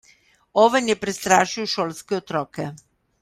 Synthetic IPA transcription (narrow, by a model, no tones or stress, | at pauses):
oːʋɛnjɛpɾɛst̪ɾaːʃiwʃoːlskɛot̪ɾɔːkɛ